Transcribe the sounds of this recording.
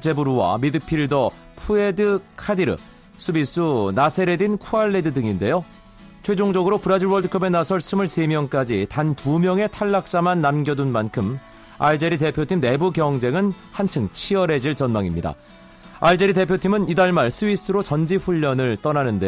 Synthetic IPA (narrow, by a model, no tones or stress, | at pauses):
t͡ɕe̞buɾuwa̰midɯpʰiɭdʌ | pʰue̞dɯkʰadiɾɯ̰ | sʰɯbis͈ɯnasʰe̞ɾe̞dinkʰuaɭːedɯdɯŋinde̞jo | t͡ɕʰwe̞d͡ʑoŋd͡ʑʌɡɯɾopɯɾad͡ʑiɭwʌɭdɯkʰʌbe̞nasʰʌɭsʰɯmɯɭse̞mjʌŋk͈ad͡ʑitantumjʌŋe̞tʰaɭːak̚t͡ɕ͈amanːamɡjʌdunmankʰɯm | aɭd͡ʑe̞ɾite̞pʰjotʰimne̞bukjʌŋd͡ʑe̞ŋɯn | hant͡ɕʰɯŋt͡ɕʰiʌɾe̞d͡ʑiɭt͡ɕʌnmaŋimɲida̰ | aɭd͡ʑe̞ɾite̞pʰjotʰimɯnidaɭmaɭsʰɯbis͈ɯɾot͡ɕʌnd͡ʑiɸuʎːʌnɯɭt͈ʌnanɯnde̞jo